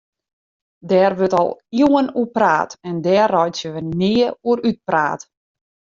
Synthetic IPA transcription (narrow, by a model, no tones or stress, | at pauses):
dɛːrʋøtɔ̰lˠjuənuəpra̰ːtɛndɛːrɔjtjəʋənɪːəuəɾyt̚pra̰ːt